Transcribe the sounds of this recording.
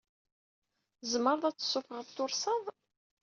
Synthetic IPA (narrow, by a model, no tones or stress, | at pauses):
zməɾˤðˤæt͡sːə̥sːʊfəʁəðt̪ʊɾˤsɑðˤ